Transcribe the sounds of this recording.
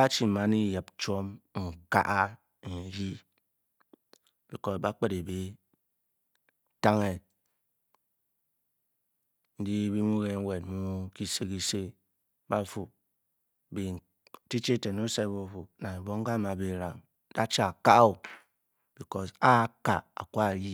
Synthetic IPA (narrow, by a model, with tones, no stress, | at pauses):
a˦t͡ʃi˦˨ma˨ni˦ja˨p̚t͡ʃo˦mŋ̩˨ka̰˦ʔa˦ | n˨ɾi˦ | b̥i˨kɔ˨sba˦k͡pe˦de˨be˨˦ | ta˦ŋe˦ | n̩˦di˦bi˦mu˦ɣe˨ŋ̩˦we˨t̚mu˦ki˦se˦ki˦se˦ | ba˦fu˨ | bi˨ | ti˦t͡ʃe˦˨te˨no˦se˦bo˦fu˨na˨e˨bo˦ŋ̩˦ka˦ma˨be˨ɾa̰˨ŋ˦ | da˦t͡ʃa˦a˨ka˦ʔo˨ | b̥i˨kɔ˦sa˦ka̰˨a̰˨kʷa˦˨ji˦